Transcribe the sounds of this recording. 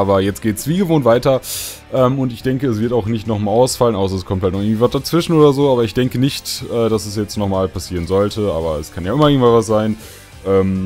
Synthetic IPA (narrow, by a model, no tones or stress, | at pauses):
ʔaːbɐjɛt͡stɡ̥eːtsv̥iːɡəvoːntvaɪtɐ | ʔɛːmʊntɪçd̥ɛŋkəɛs̬v̥ɪɐtaʊxnɪçtnɔχmaːlaʊsfalənʔaʊs̬ɐɛskʰɔmthaltnɔχɪɡŋtviːvasd̥at͡sv̥ɪʃn̩oːdɐzoːaːbɐɪçd̥ɛŋkənɪçtʔɛːd̥asɛsjɛt͡stnɔχmaːlpʰasiːʁ̞ənzɔltʰəʔa̰ːbɐɛskʰanjaːɪmɐɪɡŋ̩tvanvasz̥aɪn | ʔɛːm